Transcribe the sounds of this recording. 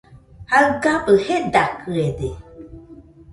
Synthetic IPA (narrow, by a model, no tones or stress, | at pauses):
haɡapəhedakɨɛde